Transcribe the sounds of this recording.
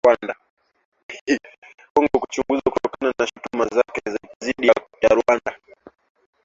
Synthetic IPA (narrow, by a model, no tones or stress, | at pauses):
wanda | kɔŋɡɔkut͡ʃuŋɡuzakutɔkananaʃu̥tumazakɛzziɗi | jaɾwanda